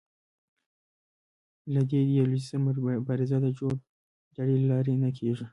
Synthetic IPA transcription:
lad̪ed̪jalisəmbaɾɪzad̪ad͡ʒo | d̪aɽelɑɾenakʰeʐi

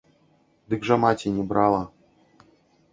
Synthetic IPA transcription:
d̪ɨkʐamatʲinʲibɾalˠa

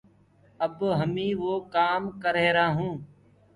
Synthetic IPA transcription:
əbɦəmĩːʋoːkaːmkəɾeːɾaːɦũː

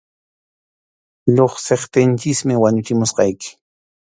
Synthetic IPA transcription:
ʎoχseχt̪ɪnt͡ʃɪsmɪwaɲʊt͡ʃɪmʊsqɑjkɪ̥

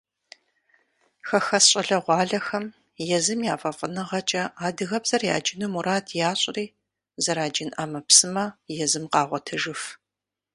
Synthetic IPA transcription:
xɐxɐsɕʼɐɮɐʁʷɑːɮɐxɐm | jɛzɨmjaːfʼɐfʼənɨʁɐt͡ʃʼɐaːdɨɣɐbz̥ɐrja̰ːd͡ʒɪnumuɾaːtʰjaːɕʼriː | zɐɾaːd͡ʒɪnaːmɐpsɨmɐjɛzɨmqɑːʁʷɔtʰɨʒɨf

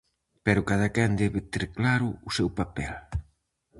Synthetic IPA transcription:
pɛɾʊkaðakɛnd̪ɛβɪt̪eɾklaɾʊːsɛwpapɛl

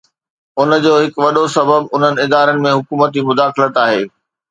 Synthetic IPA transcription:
ʊnə̆d͡ʑoːɦɪkʋɐɗosɐbəbʊn̤ənɪ̆ɪd̪aːɾənɪ̆mẽɦʊkuːmət̪imʊd̪aːxɪlət̪aːɦḛː

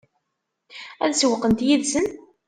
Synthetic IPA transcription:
æðsəwəqːənt̪jiðsən

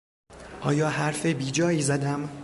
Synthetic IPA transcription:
ʔɒːjɒːhæɾfebiːd͡ʒɒːjiːzæd̪æm

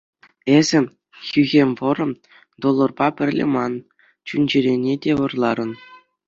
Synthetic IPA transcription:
ezʲɘ̆ | xʲyɣʲemʲʋɤ̆ɾɤ̆m | d̪olˠːɤ̆rbɑpʲɘ̆rʲlʲḛmɑn | t͡ɕunʲd͡ʑɘ̆ɾʲenʲedʲeʋɤ̆rlˠɑɾɤ̆n

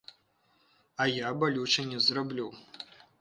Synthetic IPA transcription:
ajabɐlʲut͡ʃʰɐnʲɛzrablʲu

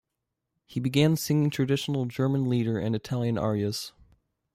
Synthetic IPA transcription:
hibɨɡæ̃nsɪ̃ŋɪ̃ŋtʰɹ̥ɨdɪʃn̩l̩ˠd͡ʒɜ˞mə̃nliɾə˞ʔɨ̰̃nɨtʰælˠjɨ̃nɑ̰ɹiɨs

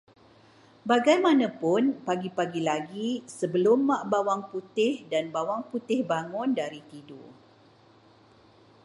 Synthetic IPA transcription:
baɡajmãnãpʊnpaɡipaɡilaɡisəbəlʊmːãʔbawaŋput̪ɪhdanbawaŋput̪ɪhbaŋʊ̃ndaɾit̪ido̰

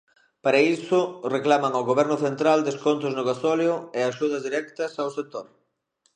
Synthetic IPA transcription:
paɾɐisʊreklamɐŋawɣoβɛɾnʊθent̪ɾald̪eskont̪ʊznʊɣasɔljʊeaʃuð̞ɐzðiɾɛkt̪ɐsawsek̚t̪oɾ

